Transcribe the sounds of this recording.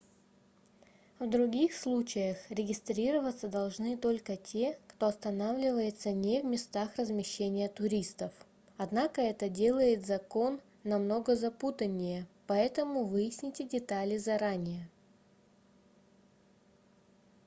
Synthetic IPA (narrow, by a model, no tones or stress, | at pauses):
vd̪ɾʊɡʲixslˠut͡ɕɪjəxɾʲɪɡʲɪst̪ɾʲiɾəvət̪səd̪ɐlˠʐnɨt̪o̞lʲkətʲe̞kt̪oɐst̪ɐnavlʲɪvəjɪt̪sənʲevmʲɪst̪axrəzmʲɪɕːenʲɪjət̪ʊɾʲist̪əf | ɐd̪nakəɛt̪ədʲe̞lˠəjɪt̪zɐko̞nː | ɐmno̞ɡəzɐput̪ənʲːɪjəpɐɛt̪əmʊvɨjɪsʲnʲɪtʲɪdʲɪt̪alʲɪzɐɾanʲɪjə